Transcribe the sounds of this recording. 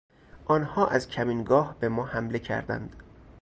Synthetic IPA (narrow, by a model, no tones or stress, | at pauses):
ʔɒːnhɒːʔæzcʰæmiːnɡɒːhbe̞mɒːhæmle̞cʰæ̰ɾd̪æ̰nd̪̥